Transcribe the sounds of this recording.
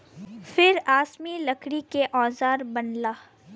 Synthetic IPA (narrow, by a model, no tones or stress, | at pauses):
fɪɾaːsmilɐkɽikeʔɔːzaːɾbɐnlaː